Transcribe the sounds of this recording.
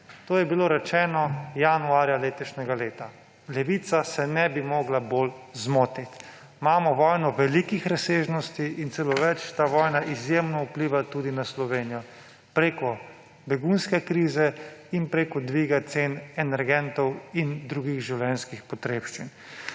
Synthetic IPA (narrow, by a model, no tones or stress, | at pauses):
t̪oːjɛbiloːɾɛt͡ʃɛːnɔjanuaːɾjaleːt̪ɔʃnʲɛɡaleːt̪a | lɛʋit̪sasɛnɛbimɔːɡlaboːlzmoːt̪it̪ | maːmɔʋɔːjnɔʋɛlikixɾaseːʒnɔst̪iʔːnsɛloʋɛt͡ʃt̪aːʋɔːjnaʔizjemnɔupliːʋat̪ud̪inaslɔʋeːnijɔ | pɾeːkɔ | bɛɡunskɛkɾiːzɛinpɾeːkɔd̪ʋiːɡat̪seːnɛnɛɾɡɛnt̪ɔwind̪ɾuːɡiɣʒiwlɛnskixpɔt̪ɾeːpʃt͡ʃin